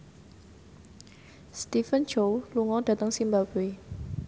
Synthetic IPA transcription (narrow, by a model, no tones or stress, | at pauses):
st̪ifənt͡ʃowluŋɔd̥ä̤t̪əŋsimbab̥i